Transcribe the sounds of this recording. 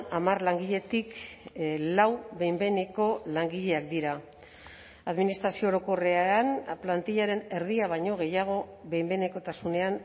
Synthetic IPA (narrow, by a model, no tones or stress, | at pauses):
amarlaŋɡiʎe̞t̪ik | lawbe̞jmbe̞ne̞ko̞laŋɡiʎe̞akd̪iɾa | aðminist̪ɾasio̞ːɾo̞ko̞re̞anplant̪iʎaɾe̞ne̞ɾðiaβ̞ajɲo̞ɣ̞e̞jaɣ̞o̞βe̞jmbe̞ne̞ko̞t̪asune̞an